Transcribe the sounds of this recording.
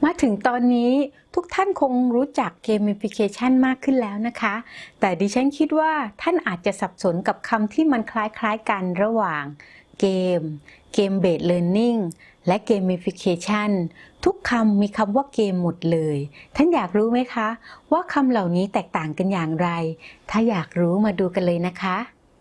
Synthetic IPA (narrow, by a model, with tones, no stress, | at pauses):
maː˧t̪ʰɯ˨˩˦ŋt̪ɔː˧nːiː˦˥t̪ʰu˦˥k̚t̪ʰa˥˩nkʰo˧ŋɾuː˦˥t͡ɕa˨˩kːeː˧mʔe˧pʰi˧kʰeː˧t͡ɕʰa˥˩nmaː˥˩kʰːɯ˥˩nlɛː˦˥wna˦˥kʰa˦˥t̪ɛː˨˩diː˧t͡ɕʰa˦˥nkʰi˦˥t̪̚waː˥˩t̪ʰa˥˩nʔaː˨˩t̪̚t͡ɕa˨˩ʔsa˨˩p̚so˨˩˦nka˨˩p̚kʰa˧mt̪ʰiː˥˩ma˧nkʰlaː˦˥jkʰlaː˦˥jka˧nɾa˧waː˨˩ŋkeː˧m | keː˧mbeː˨˩t̪̚lɤː˧nːi˥˩ŋ | lɛ˦˥keː˧mʔe˧pʰi˧kʰeː˧t͡ɕʰa˥˩nt̪ʰu˦˥kʰːa˧mːiː˧kʰa˧mwaː˥˩keː˧mːo˨˩t̪̚lɤː˧jt̪ʰa˥˩njaː˨˩k̚ɾuː˦˥ma˦˥jkʰa˦˥waː˥˩kʰa˧mla˨˩wniː˦˥t̪ɛː˨˩k̚t̪aː˨˩ŋka˧njaː˨˩ŋɾa˧jt̪ʰaː˥˩jaː˨˩k̚ɾuː˦˥maː˧duː˧ka˧nlɤː˧jna˦˥kʰa˦˥ʔ